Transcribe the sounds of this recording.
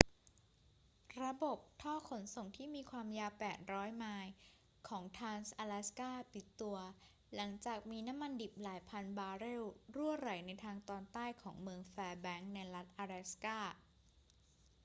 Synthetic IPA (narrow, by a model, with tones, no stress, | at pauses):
ɾa˧bo˨˩p̚t̪ʰɔː˥˩kʰo˩˦nso˨˩ŋt̪ʰiː˥˩miː˧kʰwaː˧mjaː˧wpɛː˨˩t̪̚ɾɔː˦˥jmaː˧j | kʰɔː˩˦ŋt̪ʰaː˧nsʔaː˧lɛː˦˥skaː˥˩pi˨˩t̪ːu˧ɐ | la˩˦ŋt͡ɕaː˨˩k̚miː˧na˦˥mːa˧ndi˨˩p̚laː˩˦jpʰa˧nbaː˧ɾeː˥˩wɾu˥˩əɾa˩˦jna˧jt̪ʰaː˧ŋt̪ɔː˧nt̪aː˥˩jkʰɔː˩˦ŋmɯ˧əŋfɛː˧bɛ˦˥ŋna˧jla˦˥t̪̚ʔaː˧ɾɛ˦˥skaː˥˩